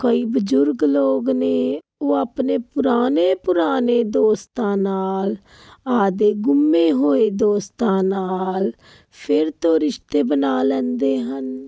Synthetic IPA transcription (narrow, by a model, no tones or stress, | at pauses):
kəiːbəd͡ʒʊɾɡloːɡneː | oːəpneːpʊɾaːneːpʊɾaːneːd̪oːst̪ãːnaːl | aːd̪eːɡʊmːeːɦoːed̪oːst̪ãːnaːl | pʰɪɾt̪õːɾɪʃt̪eːbənaːlɛ̃ːnd̪eːɦən